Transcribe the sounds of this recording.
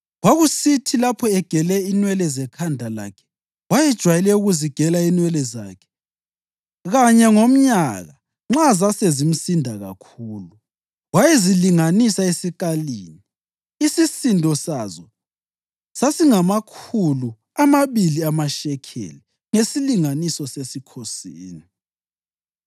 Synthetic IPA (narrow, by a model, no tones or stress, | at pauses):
waɣusitʰilapʰɔɛɡ̥ʱɛlɛinwɛlɛzɛkʰandʱala̰kʰɛ̥ | wajɛd̥ʒ̥ʱwajɛlɛuɣuziɡ̥ʱɛlainwɛlɛza̰ːkʰɛ̥ | ɣaɲɛŋom̩ɲaɣa | ŋ͡ǁazasezim̩sindʱaɣa̰kʰuːlu | wajɛziliŋanisaesikaliːni | isisindʱɔsazɔ | sasiŋamakʰulu | amaβiliamaʃɛkʰḛli | ŋesiliŋanisɔsesikʰosiːni